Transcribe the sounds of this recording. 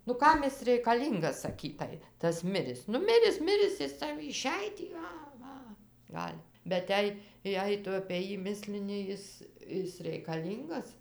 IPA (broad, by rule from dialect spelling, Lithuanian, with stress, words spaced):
nʊ ˈkɐm ɪs rʲɛɪkɐˈlʲiːŋɡɐs sɐˈkʲiːtɐɪ tɐs ˈmʲɪrʲɪs ˈnʊ ˈmʲɪrʲɪs ˈmʲɪrʲɪs ˈjɪs ˈsɐʊ ɪˈʃʲɛj tʲiː ˈɐ ˈʋɐ ˈɡɐlʲ bʲɛt ˈjɛɪ ˈjɛɪ ˈtʊ ɐpʲeː ˈjiː ˈmʲɪsʲlʲɪnʲɪ ˈjɪs ˈɪs rʲɛɪkɐˈlʲiːŋɡɐs